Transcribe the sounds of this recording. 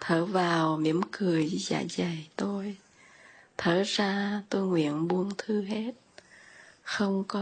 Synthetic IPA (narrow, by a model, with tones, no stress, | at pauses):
t̪ʰəː˧˩vaː˨˩wmi˧˩˥əmkɨ˨˩əjza̰ː˧˩jza˨˩jt̪o˧j | t̪ʰəː˧˩zaː˧t̪o˧jŋwḭ˧˨ənɓu˧ənt̪ʰɨ˧ɦe˦˥t̚ | xə˧wŋ͡mkɔ˨˦